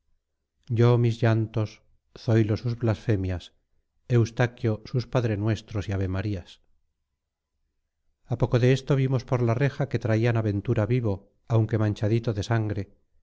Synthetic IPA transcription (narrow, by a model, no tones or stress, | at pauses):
ɟ͡ʝo̞mizʝant̪o̞s | sojlo̞suzβlasfe̞mjas | ewst̪akjo̞suspaðɾenwe̞st̪ɾo̞siaβemaɾias | apo̞ko̞ðe̞est̪oβ̞imo̞spo̞ɾlare̞xake̞t̪ɾaianaβe̞nt̪uɾaβiβo̞ | awŋke̞mãɲt͡ʃaðit̪o̞ðe̞saŋɡɾe̞